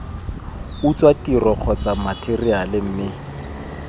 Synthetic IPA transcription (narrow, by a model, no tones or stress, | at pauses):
ʊt͡swatirɔk͡xʰɔt͡samatʰerialɪm̩ːmɪ